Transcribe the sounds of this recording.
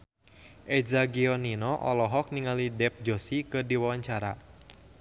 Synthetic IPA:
ʔɛzaɡiɔninɔʔɔlɔɦɔk̚niŋalidɛp̚d͡ʒosikɨdiwawaɲt͡ʃaɾa

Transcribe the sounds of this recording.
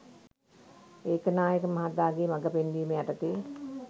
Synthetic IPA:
eːkənaːjəkəmaɦat̪ːaːɡeːmaɡəpend̪iːmeaʈət̪eː

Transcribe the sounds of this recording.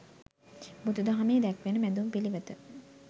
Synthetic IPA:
bud̪ud̪aɦameːd̪ɛkʋenəmæd̪umpiliʋət̪ə

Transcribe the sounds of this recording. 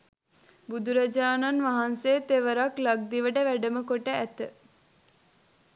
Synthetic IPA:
bud̪uɾad͡ʒaːnanʋaɦanseːt̪eʋəɾaklaɡ̚d̪iʋəɖəʋæɖəməkoʈəæt̪ə

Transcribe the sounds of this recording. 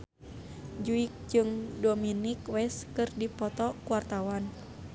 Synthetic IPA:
d͡ʒuik̚d͡ʒɨŋdominikwɛskɨrdipɔt̪ɔkuwart̪awan

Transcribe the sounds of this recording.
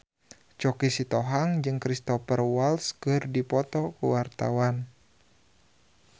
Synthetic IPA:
t͡ʃɔkisit̪ɔɦaŋd͡ʒɨŋkɾist̪ɔfərwalskɨrdipɔt̪ɔkəwart̪a̰wan

